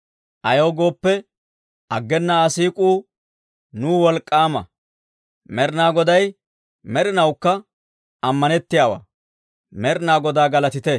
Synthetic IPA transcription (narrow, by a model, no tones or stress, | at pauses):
ʔɐjoːɡo̞ːpːɛ | ɐɡːɛnːɐːsiːkʼuː | nuːwɔlkʼːaːmɐ̰ | mɛɾnaːɡɔd̪ɐj | mɛɾɪnɐwkːɐ | ɐmːɐnɛt̪ːɪjaːwa̰ː | mɛɾɪnaːɡɔd̪aːɡɐlɐt̪ɪt̪ɛ